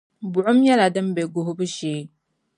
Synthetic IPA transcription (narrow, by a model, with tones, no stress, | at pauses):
bʊ˨ʔʊ˦mjɛ˦la˨dɨ˦m˦be˨ɡo˨ɦʊ˦bɨ˦ʃeː˨˦